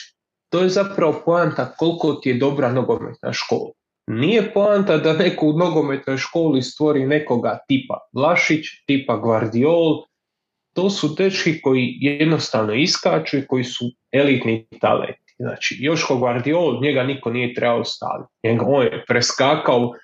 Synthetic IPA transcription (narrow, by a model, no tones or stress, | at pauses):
t̪oːje̞zapɾaʋo̞poant̪ako̞lko̞t̪ije̞d̪o̞bɾanoɡo̞mḛt̪na̰ʃko̞̰ːlˠa | nije̞poant̪ad̪anekouno̞ɡo̞me̞t̪no̞jʃko̞ːlist̪ʋo̞ɾine̞ko̞ɡat̪iːpa̰laʃit͡ʃt̪iːpaɡʋaɾd̪ioːl | t̪o̞ːsud̪e̞t͡ʃkiko̞jijed̪nost̪aːʋno̞iskaːt͡ʃuiko̞jisu | e̞lit̪nit̪a̰lḛnt̪i̥zna̰ːt͡ʃijo̞ʃkoɡʋaɾd̪ioːlɲe̞ɡaniko̞niːje̞t̪ɾe̞baost̪a̰ːʋḭt̪ɲeɡaoːnjepɾeskaːkao